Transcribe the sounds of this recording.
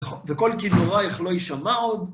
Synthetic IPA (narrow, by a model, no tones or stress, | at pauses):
vɛkolkidoʁaɛχloiʃamaod̪